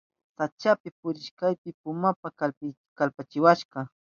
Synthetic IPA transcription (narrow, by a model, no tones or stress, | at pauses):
sat͡ʃapɪpʊɾɪʃkajpɪpʊmapakalɪ | kalpat͡ʃɪwaʃɢɑ